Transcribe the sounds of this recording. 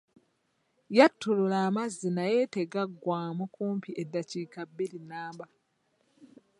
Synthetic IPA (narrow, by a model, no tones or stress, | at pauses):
jatːololaːmazːinaje̞ːte̞ɡaɡːwaːmukuːmpiʔedːaciːkabːilinaːmba